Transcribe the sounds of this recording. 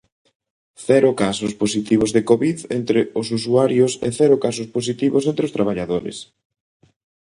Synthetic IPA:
θɛɾʊkasʊsposit̪iβ̞ozðekoβiðent̪ɾɪʊsus̬uaɾjʊsḛθɛɾʊkas̬ʊspos̬it̪iβʊsent̪ɾɪost̪ɾaβaʎaðoɾɪ̰s

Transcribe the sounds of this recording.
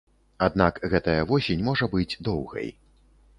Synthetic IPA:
ad̪nakɣɛt̪ɐjɐvɔsʲenʲmɔʐɐbɨd͡zʲd̪ɔwɣɐ̰j

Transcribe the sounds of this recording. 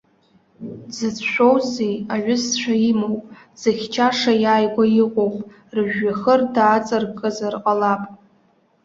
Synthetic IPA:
zɨt͡sʰʃʷᶣowzejaʕʊst͡ʃʷʰaimowpʼ | z̥ɨχʲt͡ʃʰaʂajaːjɡʷajiqʷʼowpʼ | rɨʒᶣaχərdaːt͡sʼɨrkʼɨzarqʼalapʼ

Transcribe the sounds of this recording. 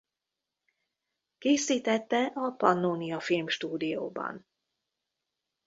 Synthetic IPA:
keːsiːt̪ɛt̪ːɛʔɒpɒnːoːnijɒfilmʃt̪uːd̪ijo̰ːbɒ̰n

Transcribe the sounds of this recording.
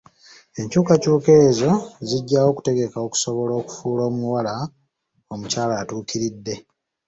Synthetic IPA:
e̞ɲcuːkacuːke̞zo̞ziɟːawo̞ːku̥te̞ɡe̞kaoku̥so̞βo̞lo̞ːku̥fuːlo̞ːmuwala | omucaːlaːtuːkiɾidːe̞

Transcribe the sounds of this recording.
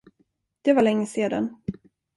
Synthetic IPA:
d̪̥ɛvalɛŋːəseːd̪a̰n

